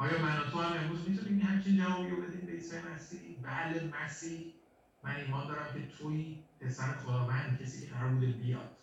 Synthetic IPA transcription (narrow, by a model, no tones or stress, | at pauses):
ʔɒːjɒːmænot̪ʰohæme̞nɾuːzmit̪ʰuniːmhæmt͡ʃʰind͡ʒævɒːbijobed̪iːnbeisenæsibælemæsiːh | mʔæniːmɒːnd̪ɒːɾæmcʰe̞t̪ʰoiːpʰesæɾnχod̪ɒːvænd̪cʰesiːcʰeæɾɒɾbuːd̪ebijɒ̰ːd̪̥